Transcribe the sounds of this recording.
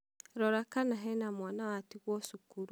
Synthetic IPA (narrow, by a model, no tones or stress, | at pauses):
ɾɔɾakanaɦɛnamwaːnawatiɣwɔsukuɾ